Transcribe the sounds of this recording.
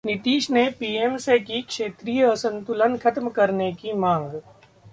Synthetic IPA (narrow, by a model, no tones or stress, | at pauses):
nɪt̪iːʃnepiːemsekikʃeːt̪ɾiːjəɐsə̃nt̪ʊlənkʰɐt̪mkɐɾnekimãːŋɡ